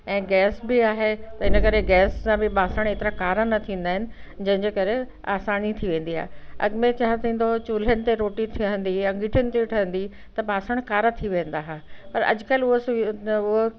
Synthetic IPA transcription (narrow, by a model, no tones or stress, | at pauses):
ɛ̃ːɡɛːsbɪaːɦet̪ɐɪnə̆kɐɾeɡɛːssãbɪɓaːsəɽ̃eːt̪ɪɾãkaːɾanɐt̪ʰĩːnd̪aːɦɪnɪ̆d͡ʑɐ̃ɦɪ̃ɲd͡ʑeːkɐɾe | a̰ːsaːnit̪ʰiʋẽːn̆d̪iɦa̰ːɦeɐ̰ɡmẽt͡ɕaɦãt̪ʰĩːn̆d̪ot͡ɕuːl̤ənɪ̆t̪eɾoːʈit̪ʰiɦə̃n̆d̪iɐ̃ŋɡɪʈʰənɪ̆t̪eʈʰɐɦə̃nd̪i | t̪ɐɓaːsəɽ̃kaːɾat̪ʰiʋẽːn̆d̪aːɦaːpɐɾɐ̰d͡ʑkəlʊɦosʊɦo